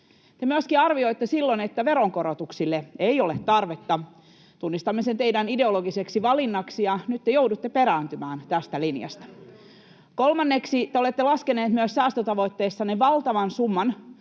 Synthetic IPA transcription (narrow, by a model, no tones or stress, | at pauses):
t̪emyøskiɑrʋio̞it̪ːesilːonet̪ːæʋe̞ɾoŋko̞ɾot̪uksilːeejolet̪ːɑrʋet̪ːɑ | t̪unːist̪ɑmːesent̪eidænide̞oloɡiseksiʋɑlinːɑksijɑnyt̪ːejowdut̪ːepeɾæːnt̪ymæːnt̪æst̪ælinjɑ̰st̪ɑ̥ | kolmɑnːeksit̪eolet̪ːelɑskeneːt̪myøssæːst̪øt̪ɑʋo̞jt̪ːeːsːɑneʋɑlt̪ɑʋɑnsumːɑn